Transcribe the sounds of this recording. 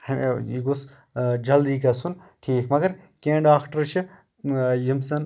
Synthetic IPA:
hɐmeiɡos | d͡ʒɐld̪iːkasun | ʈʰiːkmɐɡɐɾkẽːɳɖaːkʈɐɾt͡ʃʰi | jimsɐn

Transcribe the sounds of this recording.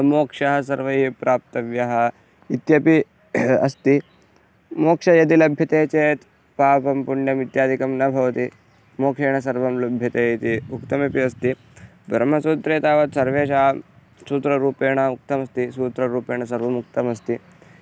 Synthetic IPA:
moːkʂɐɦɐsɐɾʋɐipɾʔaːp̚t̪ɐʋjɐɦɐ̆ | it̪jɐpi | ɐst̪i | moːkʂɐjɐt̪ilɐbʱjɐt̪eːt͡ʃeːt̪ | paːpɐmpuɳːjɐmit̪jaːd̪ʱikɐmnɐbʱɐʋt̪i | moːkʂeːɳ̃ɐsɐɾʋɐmlɐbʱjɐt̪et̪iukt̪ɐmepiɐst̪i | bɾɐm̤ɐsuːt̪ɾeːt̪aːʋɐt̪sɐɾʋeːʃaː | suːt̪ɾɐɾuːpeːɳɐuk̚t̪ɐmɐst̪isuːt̪ɾɐɾuːpeːɳ̃ɐsɐɾʋɐmuk̚t̪ɐmɐst̪i

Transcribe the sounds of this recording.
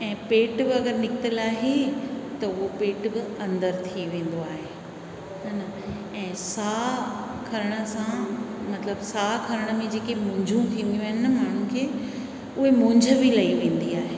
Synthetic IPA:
ɛ̃ːpeːʈbɪɐɡəɾnɪkɪt̪əlaːɦet̪ɐʊɦopeːʈbɪɐ̃nd̪əɾt̪ʰiʋẽːn̆d̪oaːɦeː | ɦɐnɐ | ɛ̃ːsaːkʰɐɾəɽ̃ə̆sãmɐt̪ləbsaːkʰɐɾəɽ̃ə̆mẽd͡ʑeːkemʊ̃ːɲd͡ʑʱũt̪ʰĩːn̆d̪jũaːɦɪnmaːɳ̤ũkʰeː | ʊɦemʊ̃ːɲd͡ʑʱə̆bilɐiʋẽːn̆d̪iaːɦeː

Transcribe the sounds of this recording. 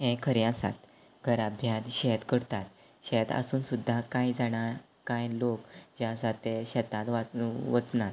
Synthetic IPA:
ɛ̃kʰəɾjãsa̰t̪ | ɡʱəɾabʱjat̪ɕɛt̪kəɽt̪at̪̚ | ɕɛt̪ə̰suːnsud̪ʱːakãjd͡zaɽ̃aɾ | kãjlokd͡ʑasat̪eɕɛt̪ãt̪ʋaʋət͡snat̪

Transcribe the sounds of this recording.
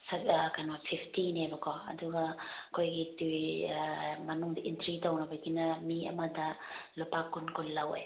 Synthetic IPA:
skanwapʰipʰtinebɐkoɐ̰duɡɐkojɡitu | mɐnuŋdɐʔintɾitawnɐbajɡinɐmiɐ̰madɐlupakːunkullːɐwa̰j

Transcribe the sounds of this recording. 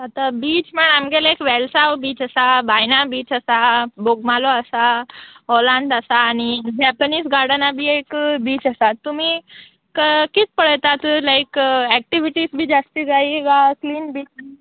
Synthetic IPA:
ət̪abiːt͡ʃməɳamɡelaekʋɛlsawbiːt͡ɕəsabajnabiːt͡ɕəsaboɡmaloəsaɦɔlãɳɖəsaːñid͡ʑɛpəniːsɡaɾɽənabʱiːekbiːt͡ɕəsat̪ːum̤i | kəkit͡spəɽət̪at̪laikɛk̚ʈiʋiʈisbʱiːd͡ʒast̪iɡaiɡakliːnbiːt͡ʃ

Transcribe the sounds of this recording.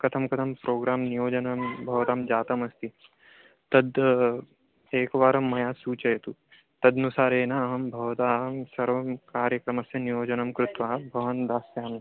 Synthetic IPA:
kɐt̪ʰɐmkɐt̪ʰɐmpɾʔoːɡɾaːmnijoːd͡ʒɐnɐmbʱɐʋɐt̪aːmd͡ʒaːt̪ɐmɐst̪i | t̪ɐd̪ | eːkʋaːɾɐmːɐjaːsuːt͡ʃɐjɐt̪u | t̪ɐd̪nusaːɾeːnaːɦɐmbʱɐʋɐt̪aːɦɐmsɐɾʋɐmkaːɾjɐkɾɐmɐsɐnijoːd͡ʒɐnɐmkɾut̪ʋaːbʱɐʋɐnd̪aːsjaːɐm

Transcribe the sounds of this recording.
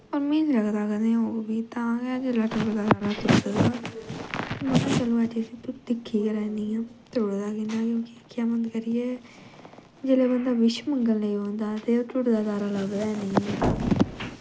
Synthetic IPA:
ɔːɾmẽːnləɡd̪aːkəd̪eãoːbiːt̪ãːɡaːd͡ʒeːlaːʈəkd̪aːaɾaːt̪ʊɾsədaː | mət̪ət͡ʃəlõːad͡ʒisiːt̪ʊd̪ɪkʰːiːkəlɛ̃ːnd̪iːɛ̃ːt̪ʊɽd̪aːkɪ̃nd̪aːkjõːkɪkʰːjaːmənt̪kəɾɪɛː | d͡ʒeːleːbənd̪aːʋɪʃməŋɡəlnəĩɦõːnd̪aːt̪eːoːtʊʈd̪aːd̪aːɾaːləɡd̪aːɛ̃niɛ̃

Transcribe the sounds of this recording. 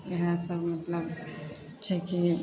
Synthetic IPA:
jɦãsəbmɐt̪ləb | t͡ʃʰɛki

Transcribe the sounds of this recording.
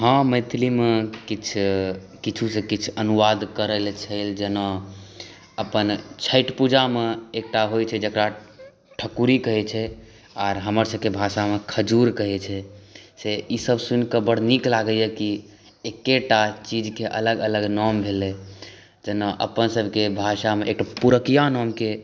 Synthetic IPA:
ɦãmə̃ɪt̪ʰlimekit͡ʃʰ | kit͡ʃʰusẽkit͡ʃʰənuʋad̪kəɾəlt͡ʃʰəɪld͡ʒəna | əpənt͡ʃʰəɪʈpud͡ʒameek̚ʈaɦojt͡ʃʰɛd͡ʒəkɾa | ʈʰəkuɾikəɦɛt͡ʃʰɛ | aːɾɦəməɾsəb̚ʱkebʱaʃamekʰəd͡ʒuɾkəɦɛt͡ʃʰɛseisəbsunkəbəɽ̤niklaɡəjɛki | ekːeʈat͡ʃid͡ʒkeʔələɡələɡnɔmbʱele | d͡ʒənəʔə̰pənsəbʱkebʱaʃameʔek̚ʈapuɾəkijanɔmke

